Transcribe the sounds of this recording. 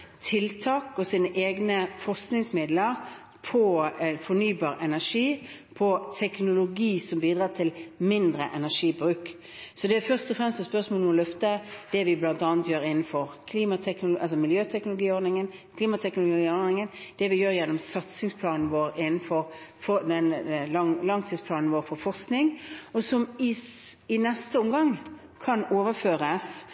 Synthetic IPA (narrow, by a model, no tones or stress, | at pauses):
t̪ʰɪlt̪ʰɑːkɔsiːnəʔeːɡnəfɔʁsknɪŋsmɪd̪ləɾ | pʰɔfɔnyːbɑːɾʔɛnæʂiː | pʰɔt̪ʰɛknʊlʊɡiːsɔmbiːd̪ɾɑːt̪ʰɪlmɪnd̪ɾə̰ʔɛnæʂiːbɾʉːk | sɔd̪ɛæfœʁst̪ɔfɾɛmstsɔspœʁsmoːləmɔlœft̪əd̪̥ɛʋɪblɑnt̪ɑːnt̪jøːɾɪnn̩fɔɾkʰliːmɑt̪ʰɛknʊlʊʔɑlsɔmɪljøːt̪ʰɛknʊlʊɡiːɔɾd̪nɪŋənkʰliːmɑt̪ʰɛknʊlʊɡiːɔd̪nɪŋənd̪̥ɛʋɪjøːɾjɛnːɔmsɑt̪sɪŋspʰlɑːnn̩ʋoːɾɪnn̩fɔɾfɔd̪ɛnɑŋlɑŋt̪ʰiːdspʰlɑːnn̩ʋoːɾfɔfɔʁsknɪŋɔsɔmɪɪnɛst̪əɔmɡɑŋ | kʰɑnoːʋəføːɾəs